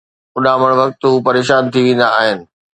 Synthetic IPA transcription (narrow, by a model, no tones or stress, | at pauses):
ʊɗãːməɽ̃ʋɐk̚t̪ɦuːpɐɾeːʃaːnt̪ʰiʋẽːnd̪aːɦɪnɪ̆